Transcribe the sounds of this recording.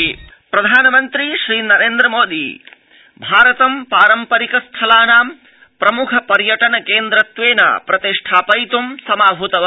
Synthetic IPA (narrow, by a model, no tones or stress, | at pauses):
pɾɐd̪ʱaːnɐmɐnt̪ɾiʃɾiːnɐɾeːnd̪ɾɐmoːd̪ḭ | bʱaːɾɐt̪ɐmpaːɾɐmpɐɾikɐst̪ʰɐlaːnaːm | pɾɐmukʰɐpɐɾjɐʈɐnɐkeːnd̪ɾɐt̪ʋeːna̰ːpɾɐt̪iʂʈʰaːpɐjt̪umsɐmaːbʱut̪ɐʋ